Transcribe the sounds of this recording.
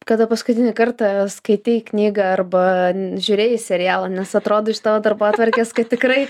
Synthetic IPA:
kɐd̪ɐpɐskʊt̪ʲɪnʲɪkɐrt̪ɐskɐɪt̪ʲɪknʲiːɡɐɐrbɐʒʲʊːɾʲeːjɪsʲɛɾʲɪjæːlˠɐnʲɛsɐt̪ɾoːd̪oːɪʃt̪ɑːʋoːd̪ɐrboːt̪ʋɐɾʲkʲeːskɐt̚t̪ʲɪkrɐɪ

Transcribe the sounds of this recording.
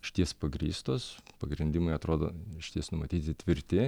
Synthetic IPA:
ʃʲɪ̥t̪ʲiɛspɐɡɾʲḭːst̪oːspɐɡɾʲɪnʲd̪ʲɪmɐɪɐt̪ɾoːd̪o̰ːʃʲɪ̥t̪ʲiɛsnʊmɐt̪ʲiːt̪ʲɪt̪ʲʋʲɪɾʲt̪ʲɪ

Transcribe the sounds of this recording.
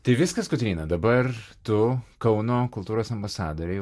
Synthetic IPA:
t̪ɐɪʋʲɪskɐskʊt̪ʲɾʲiːnɐd̪ɐbɐrt̪ʊkɐʊnoːkʊlˠt̪uːɾoːsɐmbɐsɑːd̪oːɾʲɪ

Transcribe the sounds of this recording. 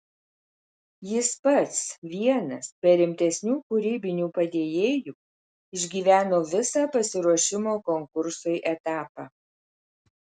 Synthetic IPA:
jɪspɐt̪sʋʲiɛnɐsbʲɛɾʲɪmʲt̪ʲɛsʲnʲuːkʊɾʲiːbʲɪnʲuːpɐd̪ʲeːjeːjuː | ɪʒʲɡʲiːʋʲæːnoːʋʲɪsɑːpɐsʲɪɾuɔʃʲɪmoːkɔŋkʊɾsʊɪʔɛt̪ɑːpɑː

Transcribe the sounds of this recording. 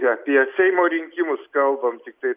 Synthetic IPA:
ɐpʲiɛsʲɛɪmoːɾʲɪŋʲkʲɪmʊskɐlˠbɐmt̪ʲɪk̚t̪ɐɪ

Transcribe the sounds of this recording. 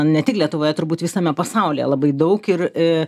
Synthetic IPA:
nʲɛt̪ʲɪklʲiɛt̪ʊʋoːjɛt̪ʊɾbuːt̪ʋʲɪsɐmʲɛpɐsɑˑʊlʲḭjɛ̰lˠɐbɐɪd̪ɐʊkɪrɪ

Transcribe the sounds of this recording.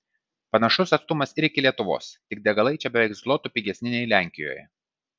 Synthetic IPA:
pɐnɐʃʊsɐt̪st̪ʊmɐsɪɾɪkʲɪlʲiɛt̪ʊʋo̰ːst̪ʲɪɡ̚d̪ʲɛɡɐlˠɐɪt͡ʃʲɛbʲɛʋʲɛɪkslˠoːt̪uːpʲiːɡʲɛsʲnʲɪnʲɛɪlʲæˑŋʲkʲɪjo̰ːjɛ̰

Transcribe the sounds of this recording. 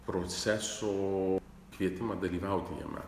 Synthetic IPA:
pɾoːsʲæsoː | kʋʲiɛt̪ʲɪmɐd̪ɐlʲiːʋɐˑʊt̪ʲɪjɛ̰mʲɛ̰

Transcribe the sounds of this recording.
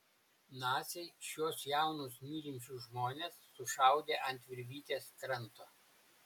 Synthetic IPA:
nɑːsʲɛɪʃʲjuɔsjæˑʊnusnʲiːɾʲɪmʲt͡ʃʲuːʒmoːnʲeːsːʊʃɑˑʊd̪ʲeːʔɐnʲt̪ʲʋʲɪɾʲʋʲiːt̪ʲeːskɾɐnˑt̪oː

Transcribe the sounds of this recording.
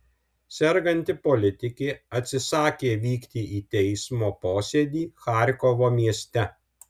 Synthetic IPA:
sʲɛɾɡɐnʲt̪ʲɪpolʲɪt̪ʲɪkʲeːɐt̪ʲsʲɪsɑːkʲeːʋʲiːkt̪ʲiʔiːt̪ʲɛɪsmoːpoːsʲeːd̪ʲiːxɑːˑɾʲkoʋoːmʲiɛsʲt̪ʲɛ

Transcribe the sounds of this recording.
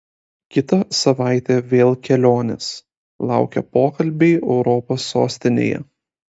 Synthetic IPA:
kʲɪt̪ɐsɐʋɑˑɪt̪ʲeʋʲeːlˠkʲɛlʲoːnʲɪs | lˠɑˑʊkʲɛ̰poːkɐlʲbʲɛɪɛʊɾɔpoːsːoːsʲt̪ʲɪnʲḛːjɛ̰

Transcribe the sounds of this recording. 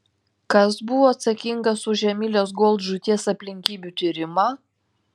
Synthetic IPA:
kɐsbʊʋoːɐt̪sɐkʲɪŋɡɐsʊʒʲɛmʲilʲos̬ɡɔlˠt̪ʒʊt̪ʲiɛsɐpʲlʲɪŋʲkʲiːbʲut̪ʲɪɾʲɪmɑː

